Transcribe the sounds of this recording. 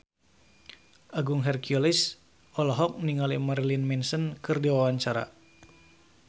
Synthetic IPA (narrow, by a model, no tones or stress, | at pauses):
ʔaɡuŋɦɛrkiɔlis | ʔɔlɔɦɔk̚niŋalimarlinmɛnsənkɨrdiwawaɲt͡ʃaɾa̰